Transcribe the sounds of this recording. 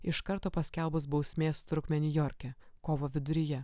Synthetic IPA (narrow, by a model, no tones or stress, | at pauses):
ɪʃkɐɾt̪oːpɐsʲkʲɛlˠbʊs̬bɐʊsʲmʲeːst̪ɾʊkmʲɛnʲʊjɔɾʲkʲɛkoːʋoːʋʲɪd̪ʊɾʲɪjɛ